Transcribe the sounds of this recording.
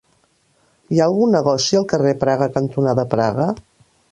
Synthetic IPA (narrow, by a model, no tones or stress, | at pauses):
iaəlˠɣunːəɣɔsiəlˠkərepɾaɣəkənt̪unaðəpɾaɣə